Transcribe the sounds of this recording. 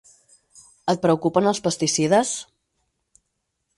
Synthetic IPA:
ət̪̚pɾəukupənəlˠspəst̪isiðəs

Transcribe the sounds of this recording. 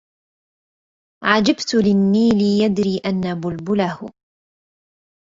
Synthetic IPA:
ʕad͡ʒabt̪ʊlɪnːiːlɪjad̪ɾiːʔanːabʊlbʊlahʊ

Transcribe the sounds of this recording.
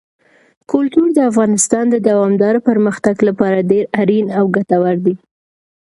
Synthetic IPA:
kʊlt̪uɾd̪əafɣɑnɪst̪ɑnd̪əd̪awɑmd̪ɑɾopəɾməxt̪aɡlapɑɾaɖeɾaɾinawɡat̪awaɾd̪i

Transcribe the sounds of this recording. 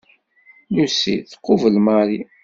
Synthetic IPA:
lusḭθə̥qːovəlmaɾi

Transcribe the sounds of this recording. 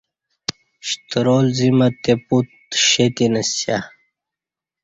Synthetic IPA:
ɕt̪ɾolzimat̪eput̪ɕet̪inɐsja

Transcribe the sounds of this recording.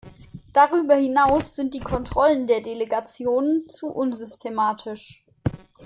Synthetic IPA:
d̥aʁ̞yːbɐhɪnaʊsz̥ɪnt̚d̥iːkʰɔntʁ̥ɔləndeːɐdeleɡat͡sjoːnənt͡suʔʊnzʏstʰemaːtʰɪʃ

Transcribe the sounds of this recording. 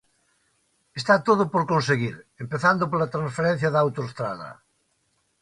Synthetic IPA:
est̪at̪oðʊpoɾkõnseɣiɾempeθand̪ʊpolat̪ɾãnsfeɾen̟θjɐðawt̪oest̪ɾaðɐ̰

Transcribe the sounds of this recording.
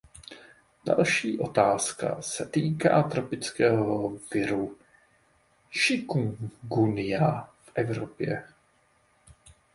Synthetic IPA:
d̥a̰lʃiːʔo̞t̪aːska̰sɛt̪iːka̰ːt̪ɾo̞pɪt͡skɛːɦovɪɾu | ʃɪkuŋɡunɪjafʔɛvɾopjɛ

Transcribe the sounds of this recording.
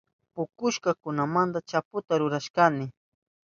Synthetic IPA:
pʊkʊʃkakʊnamand̪at͡ʃapʊt̪aɾʊɾaʃkanɪ

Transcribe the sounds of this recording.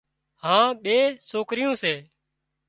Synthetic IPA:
ɦãːɓeːsoːkɾɪjõːseː

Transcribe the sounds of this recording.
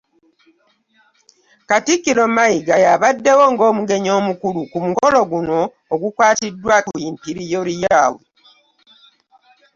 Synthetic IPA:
katikːilo̞maiɡajaβadːe̞wo̞ŋɡo̞ːmuɡe̞ɲo̞ːmukulukumuko̞lo̞ɡuno̞ː | ɡukwaːtidːwakujimpiɾijolijaːwo

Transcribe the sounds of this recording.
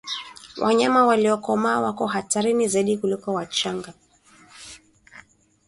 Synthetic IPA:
wʔa̰ɲamawaliɔkɔmaːwakɔhataɾinizaiɗikulikɔwat͡ʃaŋɡa

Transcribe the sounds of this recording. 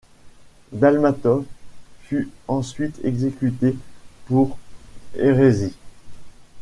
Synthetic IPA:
d̪almat̪ɔfyɑ̃sɥit̪ʰɛɡzekʲyt̪epuʁeʁezi

